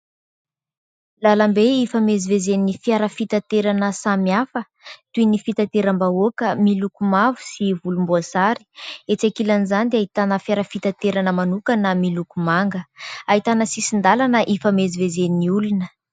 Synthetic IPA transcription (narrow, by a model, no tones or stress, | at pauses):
lalambeifəmezivezeninifiaɾəfit̪at̪eɾanəsamiafə | t̪uinifit̪at̪eɾambaokəmilukumavu̥sivulumbuasaɾi̥et͡sakilanizand̪aɦit̪anəfjaɾəfit̪at̪eɾanəmanukanəmilukumaŋɡəaɦit̪anəsisind̪alanəʔifəmezivezeniniulunə